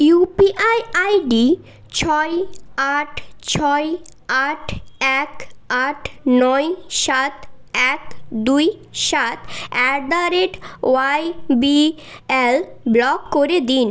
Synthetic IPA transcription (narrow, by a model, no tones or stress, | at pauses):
jupiʔajajɖi | t͡ɕʰɔjaʈʰt͡ɕʰɔj | aʈʰɛkaʈʰnɔjʃat̪ɛk̚d̪uj | ʃat̪ɛɾɖ̪aɾeʈwajbi | elblɔkːoɾed̪in